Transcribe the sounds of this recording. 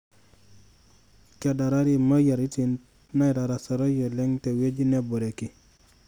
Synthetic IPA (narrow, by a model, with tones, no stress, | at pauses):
t͡ʃa˨da˨ɾa˦ɾi˨ma˦ja˨ɾi˦ti˨n | na˦jɾa˨ɾa˨sa˨ɾo˦jo˨le˦ŋte˨we˦d͡ʒi˦ne˦bo˨ɾe˨ki˦